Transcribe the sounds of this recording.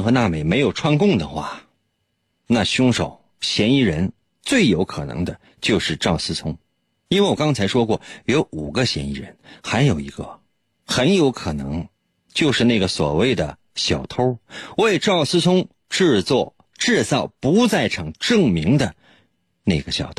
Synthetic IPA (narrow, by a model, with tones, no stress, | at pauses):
nxɤ˧˥na˥˩me˨˩ɪme˧˥ɪjo˨˩ʊʈ͡ʂʰwa˥nkʊ˥˩ŋd̪ə˩xwa̰˥˩ | na˥˧˩ɕʊ˥ŋʂo̰˨˩˦ʊ | ɕjɛ˧˥ni˥˩ɻə˧˥n | t͡swe˥˩ɪjo˧˥ʊkʰɤ˨˩nɤ̰˧˥ŋd̪ə˧ | t͡ɕjo˥˧ʊʂɻ̩˥˧ʈ͡ʂɑ˥˩ʊsɹ̩˥t͡sʰʊ˥ŋ | i˥nwe˥˩ɪwɔ˨˩kɑ˥ŋt͡sʰa˧˥ɪʂwɔ˥kwɔ˥˩jo˧˥ʊʔu˨˩ɡə˦ɕjɛ̰˧˥nḭ˧˥˩ɻə̰˧˥nxa˧˥ɪjo˨˩ʊi˧˥ɡə˧ | xə˧˥njo˧˥ʊkʰɤ˨˩nɤ̰˧˥ŋ | t͡ɕjo˥˧ʊʂɻ̩˥˧na˥˩ɡə˩swɔ̰˨˩we˥˩ɪd̪ə̰˩ | ɕjɑ˨˩ʊt̪ʰo˥ʊwe˥˧ɪʈ͡ʂɑ˥˩ʊsɹ̩˥t͡sʰʊ˥ŋ | ʈ͡ʂɻ̩˥˧t͡swɔ˥˩ | ʈ͡ʂɻ̩˥˧t͡sɑ˥˩ʊpu˧˥t͡sa˥˩ɪʈ͡ʂʰɤ˨˩ŋʈ͡ʂɤ˥˩ŋmi˧˥ŋd̪ə˧ | ne˥˩ɡə˩ɕjɑ̰˨˩ʊt̪ʰ